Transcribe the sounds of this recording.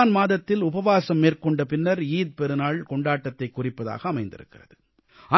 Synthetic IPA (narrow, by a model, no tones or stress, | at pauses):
nmaːðɐt̪ːɪlʊbɐʋaːsɐmːeːrkɔɳɖɐpɪnːɐɾiːd̪̚pɛɾɯnaːɭkɔɳɖaːʈːɐt̪ːɐɪkːʊrɪpːɐða̰ːɣɐːmɐɪnd̪ɪ̰ɾɯ̰kːɪrɐðɯ | ɐ